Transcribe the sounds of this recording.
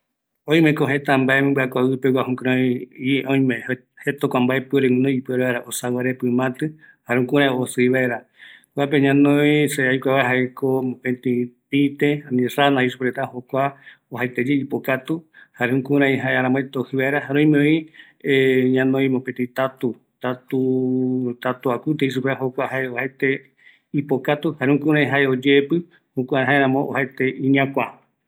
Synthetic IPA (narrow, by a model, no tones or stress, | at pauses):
õj̃mẽkoɦet̪ambaemẽmbɨakʷaɨpewahũkɾõjiʔõj̃mẽ | het̪okʷambaepɨeɾẽnõjipueɾeβaeɾaʔosawaɾepɨmãt̪ɨ | haɾeũkũɾ̃ãosɨiβaeɾa | kʷapeɲãnõjseajkʷaβaeɦaekomõpẽnt̪ipit̪eanĩranãisupɾet̪ahokʷaoɦajt̪ed͡ʒeipokat̪uhaɾeũkũɾ̃ãĩɦaeaɾãmõet̪ohɨβaeɾaɦaɾõj̃mẽõĩ | eɲãnõj̃mõpẽt̪ĩt̪at̪u | t̪at̪u | t̪at̪uakʷut̪̬eis̬ukʷeɦokʷahaeohaet̪e | ipokat̪uhaɾẽũkũɾ̃ãĩɦaeod͡ʒepɨ | hokʷaɦaeɾãmõʔo̰haet̪eĩɲiãkʷa